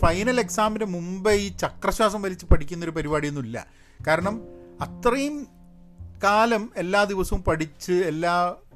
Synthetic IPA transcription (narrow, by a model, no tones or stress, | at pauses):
fɐjnɐle̞ksaːminɐmumbɐjt͡ɕɐkrɐɕwaːs̬ɐmʋɐlit͡ɕːɨpɐʈʰikʲːunːɐo̞ɾupɐɾibaːɽijenːuilːɐ̰ | kaːɾɐɳɐmɐt̪rɐjum | kaːlɐme̞lːaːd̪iʋɐsɐʋumpɐʈit͡ɕːɨelːaː